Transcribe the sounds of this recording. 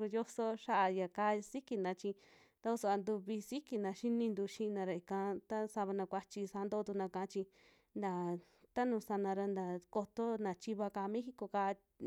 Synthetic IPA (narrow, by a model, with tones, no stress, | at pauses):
u˧jo˦so˦ʃa˦ʔa˧ja˨kaː˧˦si˦ki˧nã˧t͡ʃi˧ | t̪a˦o˧˦so˧a˧nd̪u˧βi˧si˦ki˧nã˧ʃi˦nĩ˧nd̪u˧ʃĩ˧nã˧ɾa˧˨i˨kã˧t̪a˦sa˧βa˧nã˧kʷa˧t͡ʃi˧sa˧˦nd̪o˦˧t̪u˧nã˧kã˧˨ã˦t͡ʃi˧ | nd̪a˨ | t̪a˦nũ˧sa˧nã˧ɾa˧nd̪a˨ko˧t̪o˦nã˨t͡ʃi˧βa˧ka˧mẽ˦hi˦ko˧ka˧